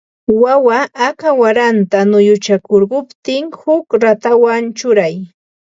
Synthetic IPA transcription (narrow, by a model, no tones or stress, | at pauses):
wawaʔːkawaɾant̪anʊjʊt͡ʃakoɾɢʊpt̪ɪŋhʊkɾat̪awant͡ʃʊɾaj